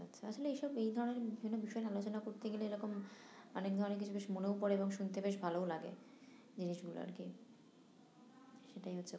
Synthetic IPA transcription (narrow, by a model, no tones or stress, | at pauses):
atːɕʰaat͡ɕʰoleejʃɔbejd̪ʱɔɾoneɾbibʱinːobiʃɔealot͡ɕonakoɾt̪eɡeleeɾɔkom | ɔnek̚d̪ʱɔɾoneɾk̬it͡ɕʰubeʃmonepɔɾeeboŋʃunt̪ebeʃ̬bʱaloolaɡḛ | d͡ʑiniʃɡulo̰a̰ɾki | ʃeʈajɦotːɕʰe